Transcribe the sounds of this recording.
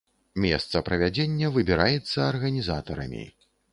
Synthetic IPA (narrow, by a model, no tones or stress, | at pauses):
mʲɛ̰st̪sɐpɾɐvʲad͡zʲenʲːɐvɨbʲiɾʔajɛt̪sːɐːrɣɐnʲizat̪ɐɾɐ̰mʲḭ